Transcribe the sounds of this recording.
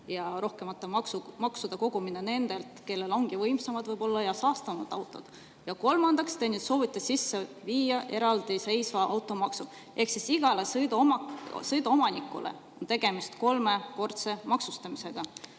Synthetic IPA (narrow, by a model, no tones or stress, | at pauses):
jɑɾo̞hke̞mɑt̪ːˑɑmɑksumɑksud̪̥ɑko̞ɡ̥uminene̞nd̪̥e̞lt̪ke̞lːe̞lo̞ŋɡ̥ivɤjmsɑmɑd̪̥vɤjb̥o̞lːɑjɑsɑːst̪ɑmɑd̪̥ɑwt̪ˑo̞d̪̥ | jɑko̞lmɑnd̪̥ɑkst̪ejnyt̪so̞ːvit̪ːˑesisːeviːjɑʔe̞ɾɑld̪̥ise̞jsvɑʔɑ̰wt̪ˑo̞mɑksu | ʔe̞hksisiɡ̥ɑlesd̪msɤjd̪ɑomɑnikːˑṵlḛ | o̞nt̪e̞ɡ̥e̞mist̪ko̞lme̞ko̞rt̪se̞mɑksust̪ɑmise̞ɡ̥ɑ